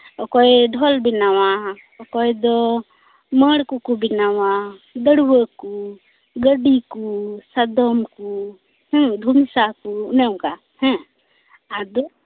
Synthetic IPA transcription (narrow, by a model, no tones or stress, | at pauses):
ɔkɔjɖʱɔlbinawa | ɔkɔjd̪ɔ | məɽkukubinawad̪əɽwəku | ɡəɖikusad̪ɔmku | hɛ̃d̪ʱumsakunɛwka | hɛ̃ | ad̪ɔ